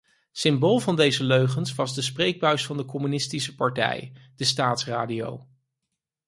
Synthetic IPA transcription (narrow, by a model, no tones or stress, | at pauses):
sɪmboːlˠvɑndejzəløɥχənsʋɑzdəsprejɡ̚bœɥsfɑndəkɔmynɪstisəpɑɹtɛ̰jd̥əstaːtsraːdio̰w